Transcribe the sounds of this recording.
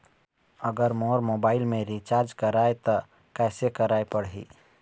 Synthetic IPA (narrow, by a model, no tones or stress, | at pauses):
əɡəɾmoɾmobailmeɾit͡ʃaɾd͡ʒkəɾajt̪ə | kajsekəɾajpəɽɦḭ